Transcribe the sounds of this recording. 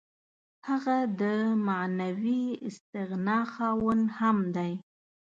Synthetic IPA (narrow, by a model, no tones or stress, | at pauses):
haɣad̪əmanawiɪst̪ɪɣnɑxɑwənhamd̪aj